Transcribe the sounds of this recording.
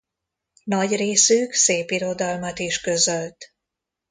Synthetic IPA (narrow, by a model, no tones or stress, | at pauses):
nɒɟreːsyːkseːpiɾo̞d̪ɒlmɒt̪iʃkø̞zø̞lt̪